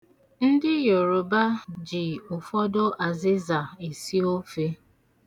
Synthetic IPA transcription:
n̩˦dɪ˦jo˨ɾo˨ba˦d͡ʒi˨ʊ˨fɔ˦do˦ʔa˨zɪ˦za˨e˨si˦o˦fe˦

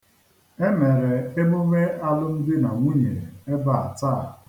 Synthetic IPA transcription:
e˦me˨ɾe˨e˦mʊ˦me˦a˦lʊ˦m̩˦dɪ˦na˨ŋʷi˦ɲḛ˨e˦ba˨a̰˨taː˦˨

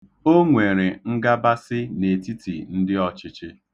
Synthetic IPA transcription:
o˦ŋʷe˨ɾe˨ŋ̩˦ɡa˦ba˦sɪ˦ne˨ti˦tḭ˨n̩˦dɪ˦ɔ˨t͡ʃɪ˦t͡ʃɪ˦

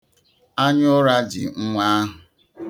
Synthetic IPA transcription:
a˦ɲʊ˦ɾa˦d͡ʒɪ̰˨ŋ̩˦ŋʷa˦a˦ɦʊ˨

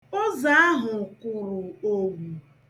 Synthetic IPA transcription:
ɔ˦za˨a˦ɦʊ˨kʊ˨ɾʊ˨o˦ɡʷu˨

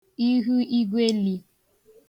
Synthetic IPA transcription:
i˦ɦu˦i˦ɡʷe˦li˨

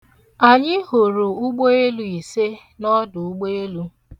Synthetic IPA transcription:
a˨ɲɪ˦ho˨ɾo˨ʊ˦ɡ͡bo˦e˦lu˦i˨se˦ | nɔ˦dʊ˨u˦ɡ͡bo˦e˦lu˦

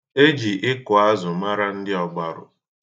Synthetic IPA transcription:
e˦d͡ʒi˨ʔɪ˦kʊ˨a˦zʊ˨ma˦ɾa˦n̩˦dɪ˦ɔ˨ɡ͡ba˨ɾʊ̰˨

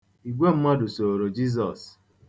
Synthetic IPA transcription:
i˨ɡʷe˦m̩˦ma˦dʊ˨so˨ɾo˨d͡ʒi˦z̬ɔ˨s

